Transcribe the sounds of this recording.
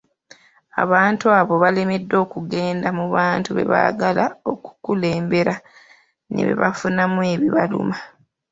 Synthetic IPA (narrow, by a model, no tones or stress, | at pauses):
a̰βaːntuaβo̞βale̞me̞dːo̞ːkuɡe̞ːndamuβaːntuβe̞̰βa̰ɡalao̞ku̥kule̞ːmbe̞ɾa | nḛβe̞̰βafunamwe̞ːβiβalṵma